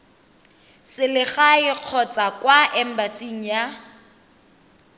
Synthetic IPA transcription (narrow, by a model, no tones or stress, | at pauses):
sɪlɪχaɪq͡χʰɔt͡sʼakwaʔɛm̩basiŋ̩ja